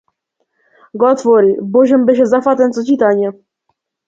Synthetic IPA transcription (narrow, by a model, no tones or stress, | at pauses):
ɡɔat̪fɔɾibɔʑɛmbɘɕɛzafat̪ɛntsɔt͡ɕit̪aɲɛ